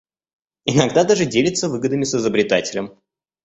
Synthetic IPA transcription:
ɪnɐɡd̪ad̪aʐɨdʲelʲɪt̪səvɨɡəd̪ɨmʲɪsɨzəbɾʲɪt̪atʲɪlʲəm

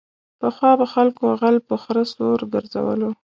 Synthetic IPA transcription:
pəxwɑbaxalkoaɣalpəxɾəsoɾɡəɾza̰wə̰lo

